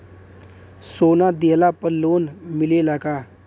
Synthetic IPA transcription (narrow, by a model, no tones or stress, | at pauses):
soːnad̪eːlapəɾloːnmɪlelaɡaː